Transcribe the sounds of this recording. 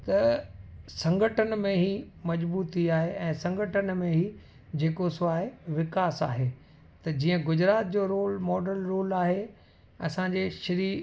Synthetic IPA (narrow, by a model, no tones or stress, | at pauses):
t̪ɐ | sɐ̃ŋɡʱəʈʰənmẽɦimɐd͡ʑbuːt̪iaːɦeʔɛ̃ːsɐ̃ŋɡʱəʈʰənmẽɦi | d͡ʑeːkosʊaːɦeʋɪkaːsa̰ːɦeː | t̪ɐd͡ʑiːə̃ɡʊd͡ʑɾaːt̪̚d͡ʑoːɾoːlmɔːɖəlɾoːlaːɦe | ɐsãːɲd͡ʑeːʃɐɾiː